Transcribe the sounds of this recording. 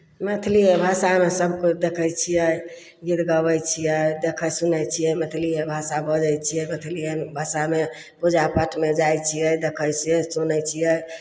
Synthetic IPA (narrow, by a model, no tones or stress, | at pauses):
met̪ʰliebʱasamesəbkod̪ekʰəjt͡ʃʰijɛj | ɡid̪ɡəbəjt͡ʃʰijəd̪ekʰəsunət͡ʃʰijɛjmet̪ʰliebʱasabəd͡ʒəjt͡ʃʰiɛmet̪ʰliebʱasame | pud͡ʒapəʈʰmed͡ʒajt͡ʃʰijəjd̪ekʰəjt͡ʃʰijɛsonət͡ʃʰijɛj